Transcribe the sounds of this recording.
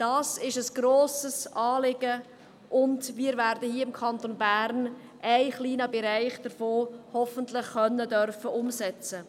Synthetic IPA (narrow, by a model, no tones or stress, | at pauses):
d̥ɑːsɪʃəsɡ̥ɾoːsəsɑːlɪɡə | ʔʊndʋiːɾvæːɾdəhiːəɪmkʰɑntonbæːɾn | ʔæɪχliːnəbɛɾæɪχd̥əɾfoːhɔfəntlɪχχœnːədœrfəʔʊmsɛt͡sə